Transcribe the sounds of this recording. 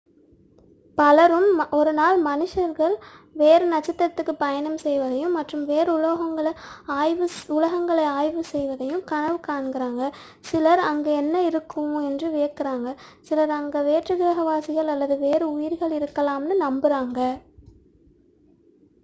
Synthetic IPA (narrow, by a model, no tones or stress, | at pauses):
pɐlɐɾɯmɔɾɯnaːlmɐnɪʂɐɾɣɐɭʋeːɾɯnɐt͡ʃːɐt̪ːɾɐt̪ːɯkːɯpɐjɐnɐmsɛjʋɐðɐjɯ̃mːɐʈrɯmʋeːɾɯʊloːɣɐŋɡɐɭɐaːjʋɯʊlɐɣɐŋɡɐɭɐɪaːjʋɯsɛjʋɐðɐjɯmkɐɳɐʋɯkaːɳɡɪɾaːŋɡɐ | sɪlɐɾɐŋɡeɛnːɐɪɾɯkːɯɛndrɯʋeːkɪɾaːŋɡɐsɪlɐɾɐŋɡɐʋeːʈrɯɣɪɾɐɣɐʋaːsɪɣɐɭɐlːɐðɯʋeːɾɯʊjɪɾɣɐɭɪɾɯkːɐlaːmnɯnɐmbɪɾaːŋɡɐ